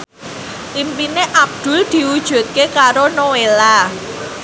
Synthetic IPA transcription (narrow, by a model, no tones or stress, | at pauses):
ʔimpineʔab̚d̪̥ʊ̤ld̪̥i̤wud̥ʒ̥ṳt̪̚kekaɾonowela